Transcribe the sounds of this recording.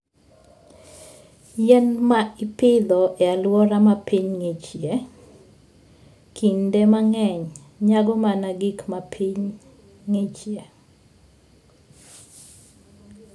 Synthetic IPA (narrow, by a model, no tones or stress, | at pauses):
jɛnmaipɪd̪ɔʔealwɔɾamapiɲŋet͡ʃje | kʰindɛmaŋɛɲ | ɲaɡɔmanaɡikmapʰiɲ | ŋet͡ʃje